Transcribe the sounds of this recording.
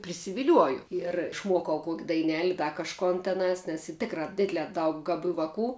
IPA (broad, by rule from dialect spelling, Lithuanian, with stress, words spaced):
pʲrʲɪsʲɪʋʲɪˈlʲuɔjʊ iɛr ɪʃˈmuɔkɐʊ ˈkuɔkʲ dɐɪˈnʲæːlʲɪ ˈdɐ kɐʃˈkoːn tʲɛˈnɑːs nʲɛs iː ˈtʲɪkrɐ ˈdʲɪdʲlʲɛː ˈdɐʊk ɡɐˈbʲuː ʋɐˈkuː